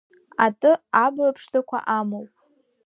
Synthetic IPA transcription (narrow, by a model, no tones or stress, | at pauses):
atʼɨablapʰʂtakʷʰa̰ʔamowpʼ